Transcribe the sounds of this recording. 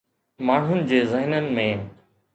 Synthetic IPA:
maːɳ̤ʊnɪ̆d͡ʑeːzəɦɪnənɪ̆mẽː

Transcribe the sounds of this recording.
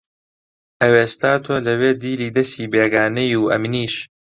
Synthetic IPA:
ʔɐweːst̪aːt̪ʰolɐweːd̪iːliːd̪ɐsiːbeːɡaːnɐjuːʔɐmniːʃ

